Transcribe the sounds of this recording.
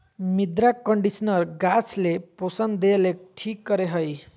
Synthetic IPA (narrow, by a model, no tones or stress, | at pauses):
mid̪ɾakʌɳɖisnʌrɡasleposʌnd̪elek̚ʈʰikɡʌɾeɦʌj